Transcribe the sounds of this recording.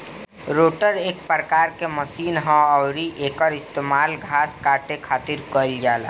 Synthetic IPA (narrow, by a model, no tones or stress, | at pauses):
ɾoːʈəɾeːk̚pɾəkaːɾkeməsiːnɦãɔːɾiʔeːkəɾɪst̪eːmaːlɡʱaːskaːʈekʰaːt̪ɪɾkəld͡ʒaːla̰